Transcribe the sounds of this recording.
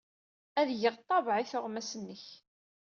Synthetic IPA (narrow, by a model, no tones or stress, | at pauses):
æðjəʁt̪ˤːɑvʕiθʊʁmæsənːəç